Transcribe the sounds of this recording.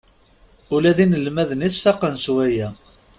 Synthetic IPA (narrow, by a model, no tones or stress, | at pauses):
ʊlæðinəlmæðənisfɑqənswæjæ